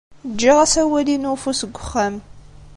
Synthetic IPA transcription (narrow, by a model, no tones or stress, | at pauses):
d͡ʒɐʁɐsɐwɐdiːnofusɨɡʷʊχɐm